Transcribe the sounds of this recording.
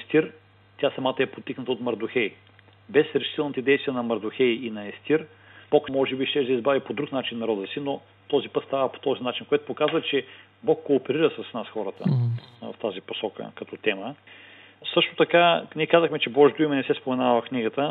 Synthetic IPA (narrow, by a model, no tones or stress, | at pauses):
ɛst̪iɾ | t̪jasɐmat̪əɛpot̪ːiknət̪əot̪mɐɾd̪ʊxɛj | bɛsɾɛʃi̥t̪ɛlˠnit̪ɛd̪ɛjst̪vijənɐmɐɾd̪ʊxɛjinɐɛst̪iɾ | b̥ɔkmɔʒɛbiʃt̪ɛʒd̪ɐizbavipod̪ɾuknat͡ʃinːɐɾɔd̪əsino | t̪ɔzipɤt̪st̪avəpo̥t̪ɔzinat͡ʃinkoɛt̪ʊ̥pokazvət͡ʃɛ | bɔkːoːpɛɾiɾəsɐsnasxɔɾət̪ə̰v̰ft̪aziposɔkə̰kɐt̪ɔt̪ɛmə | sɤʃt̪o̥t̪ɐkanʲiɛkazəxmɛt͡ʃɛbɔʒd̪ʊimɛnɛsɛspomɛnavɐfkniɡət̪ə